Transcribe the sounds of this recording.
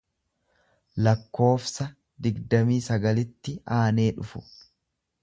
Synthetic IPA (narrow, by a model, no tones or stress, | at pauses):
lɐkːo̞ːfsɐ | d̪ɪɡd̪ɐmiːsɐɡɐlɪt̪ːɪaːne̞ːᶑʊfʊ